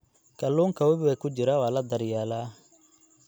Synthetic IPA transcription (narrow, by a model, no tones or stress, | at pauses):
kʰɐlːuːŋkʰɐwɐβɪwɐkʰʊt͡ʃɪɾɐwaːlɐd̪ɐɾjaːla